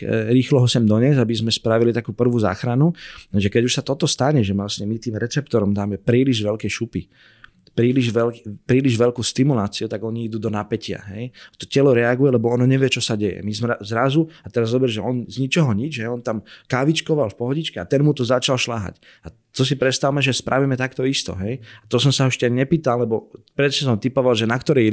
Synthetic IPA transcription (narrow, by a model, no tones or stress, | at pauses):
ɾiːxlɔɦɔsɛmd̪ɔɲɛzabizmɛspɾaʋilit̪akuːpr̩ʋuːza̰ːxɾanuʒɛkɛɟuʃsat̪ɔt̪ɔst̪aɲɛʒɛʋlasɲɛmit̪iːmɾɛt͡sɛpt̪ɔɾɔmd̪aːmɛpɾiːliʒʋɛlkɛʃupi | pɾiːliʒʋɛlpɾiːliʒʋɛʎkuːst̪imulaːt͡siut̪aɡɔɲiid̪ud̪ɔnapɛcɪa̰ɦɛjat̪ɔ̥cɛlɔɾɛaɡujɛlɛbɔɔnɔɲɛʋɪjɛt͡ʃɔsaɟɛjɛ̰mizmazɾazuat̪ɛɾazɔbɛɾʒɛɔnzɲit͡ʃɔɦɔɲid͡ʒɦɛjɔnt̪amkaʋit͡ʃkɔʋalfpɔɦɔɟit͡ʃkɛat̪ɛnmut̪ɔzat͡ʃalʃlaɦa̰c | a | t̪ɔs̬ipɾɛt̪st̪awmɛʒɛspɾʔaʋimɛt̪akt̪ɔist̪ɔ̰ɦɛjat̪ɔsɔmsaɦɔʃcɛɲɛpiːt̪allɛbɔpɾɛsɛsɔmt̪ipɔʋalʒɛnakt̪ɔɾɛ